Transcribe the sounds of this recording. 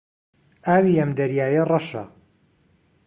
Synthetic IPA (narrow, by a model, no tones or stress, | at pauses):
ʔaːwiɐmd̪ɐɾjaːjɐrˤɑʃɐ̰